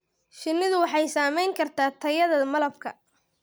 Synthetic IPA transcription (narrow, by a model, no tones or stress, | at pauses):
ʃɪnːɪðʊwɑħɑjsaːmɛjŋkʰɐrt̪ʰaːt̪ʰɐjɐðɐmɐlɐb̚kʰɐ̰